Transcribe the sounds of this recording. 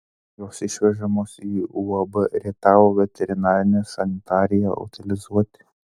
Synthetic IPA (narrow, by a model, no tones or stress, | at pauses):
joːsɪʃʲʋʲɛʒɐmoːsiːuːɐbəɾʲit̪ɑːʋoːʋʲɛt̪ʲɛɾʲɪnɑːɾʲɪnʲɛsɐnʲɪt̪ɑːɾʲɪjɛʊ̰t̪ʲɪlʲɪzuɔt̪ʲɪ̥